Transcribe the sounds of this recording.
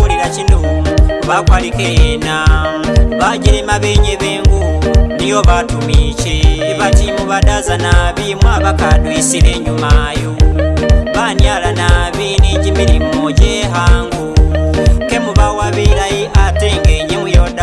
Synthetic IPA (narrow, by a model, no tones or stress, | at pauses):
uliɾacinuβakwalikena | βaɟiɾemaβeɲeβeːŋɡunijo̞βatumiceβacimuβadazanaβimwaβakadwisileɲumajo | βanjalanaβineɟimiɾimoɟeɦaːŋɡu | kemuβawaβeiɾajiʔateːŋɡeɲimwijoda